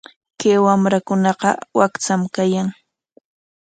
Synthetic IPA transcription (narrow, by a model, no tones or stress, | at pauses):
kewamɾakʊnɑqɑ̰wakt͡samkajaŋ